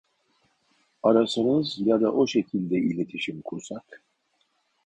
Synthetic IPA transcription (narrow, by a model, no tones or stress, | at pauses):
aɾasɯnɯzjad̪aʔo̞ʃecʰilʲd̪ɛilʲe̞t̪ʰiʃimkʰuɾsak